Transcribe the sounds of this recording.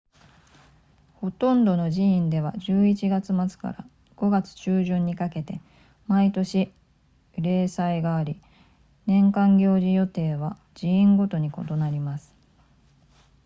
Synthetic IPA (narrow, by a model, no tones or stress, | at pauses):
ho̞t̪õ̞nd̪o̞no̞ʑiĩnd̪e̞β̞aʑɨːit͡ɕiɡat͡sɨmat͡sɨ̥ka̰ɾa̰ | ɡ̥o̞ɡat͡sɨ̥t͡ɕɨːʑɨ̃ɲ̟ːikake̞t̪e̞ | mait̪o̞ɕi | ɾe̞ːsaiɡaːɾʲi | nẽ̞ŋkãŋɡʲo̞ːʑijo̞t̪e̞ːβ̞a | d͡ʑiĩŋɡo̞t̪o̞ɲ̟iko̞t̪o̞naɾʲimasɨ̥